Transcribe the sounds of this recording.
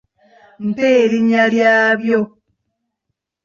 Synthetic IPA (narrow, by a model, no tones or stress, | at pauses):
m̩peːliɲaljaːβjo